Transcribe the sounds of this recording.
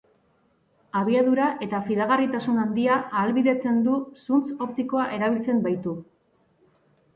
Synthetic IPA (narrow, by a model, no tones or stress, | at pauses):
aβ̞iaðuɾaʔe̞t̪afiðaɣ̞arit̪asunand̪iaːlβiðe̞t͡se̞nd̪usunt͡so̞p̚t̪iko̞aʔe̞ɾaβ̞ilt͡se̞mbajt̪u